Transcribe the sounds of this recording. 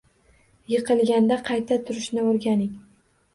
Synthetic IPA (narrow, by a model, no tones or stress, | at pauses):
jɨqʰɨlˠɡʲand̪aqʰɑjt̪ʰat̪ʰʊɾɪʃnɪoɾɡʲanɪŋʲ